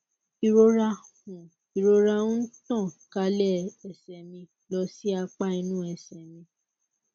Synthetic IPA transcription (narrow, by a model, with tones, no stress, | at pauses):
i˨ɾo˧˦ɾa˧hũ˨ | i˨ɾo˦ɾa˧ũ˦n̩˦tɔ̃˦˨ka˦lɛ˦˨ɛ˨sɛ˨mĩ˧ | lɔ˧˦si˦a˧k͡pa˦i˧nũ˦ɛ˨sɛ˨mĩ˧